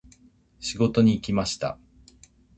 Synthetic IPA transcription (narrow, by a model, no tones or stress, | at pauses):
ɕiɡo̞t̪o̞ɲ̟iːkʲimaɕi̥t̪a̰